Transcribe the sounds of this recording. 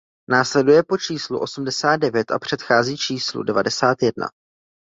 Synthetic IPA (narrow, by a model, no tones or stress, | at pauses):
naːslɛdujɛpo̞t͡ʃiːslṵʔo̞sumdɛsaːd̪̚dɛvjɛt̪ʔa̰pr̝̥ɛt̪xaːziːt͡ʃiːslṵdɛvadɛsaːt̪jɛdna̰